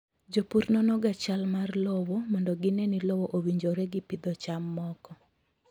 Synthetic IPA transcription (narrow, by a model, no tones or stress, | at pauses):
d͡ʒopuɾnɔnɔɡat͡ʃalmarlɔwɔmɔndɔɡɪnɛnɪlɔwɔʔowiɲd͡ʒoɾɛɡɪpɪd̪ɔt͡ʃamːɔkɔ